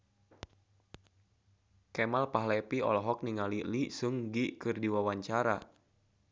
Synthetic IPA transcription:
kɛmalpaɦlɛpiɔ̰lɔɦɔk̚niŋalilisuŋɡikɨrdiwawaɲt͡ʃaɾa

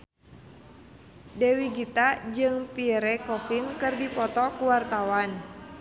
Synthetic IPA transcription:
dɛwiɡit̪ad͡ʒɨŋpiɾɛkɔfinkɨrdipɔt̪ɔkuwart̪awan

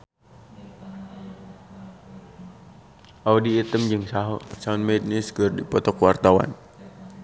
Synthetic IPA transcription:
ʔaudiːt̪əmd͡ʒɨŋsasaʊnmɛd̚niskərdipɔt̪ɔkwart̪awa̰n

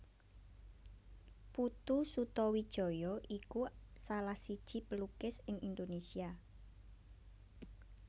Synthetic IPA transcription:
put̪usut̪ɔwid̥ʒ̥ɔ̤jɔʔikusalahsid̥ʒ̥i̤pəlukɪsɪŋind̪onesia

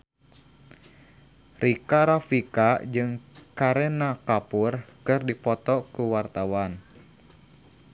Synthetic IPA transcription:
rikaɾafikad͡ʒɨŋkaɾɛnakapurkɨrdipɔt̪ɔkuwart̪awan

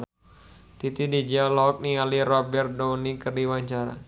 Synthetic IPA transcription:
t̪it̪idid͡ʒialɔk̚nialirɔbɛr̚dɔnikərdiwaɲt͡ʃaɾa̰

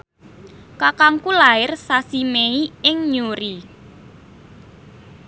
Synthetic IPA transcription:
kakaŋkulaɪrsasimeiɪŋɲuɾi

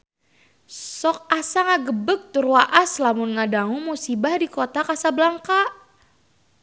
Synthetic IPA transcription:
sɔk̚asaŋaɡəbək̚t̪urwaʔaslamʊnŋadaŋumusibahdikot̪akasablaŋka

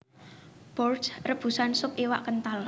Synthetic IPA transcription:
b̥ɔrsrəb̥ṳsansʊpiwaʔkənt̪al

